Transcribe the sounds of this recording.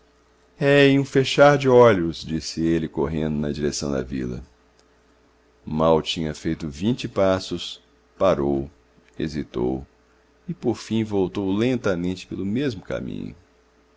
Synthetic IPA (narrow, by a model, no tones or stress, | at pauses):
ɛiũfeʃaɾd͡ʒɪɔʎʊsd͡ʒisɪelɪkoɦẽnd̪ʊnɐd͡ʒiɾesɐ̃w̃d̪ɐ̰vḭlɐ̰ | mawt͡ʃĩɲɐfejt̪ʊvĩt͡ʃɪpasʊs | paɾow | ḛzit̪o̰w | ɪpoɾfĩj̃vowt̪owlẽnt̪ɐmẽnt͡ʃɪ̥pelʊmezmʊka̰mḭ̃ɲʊ̰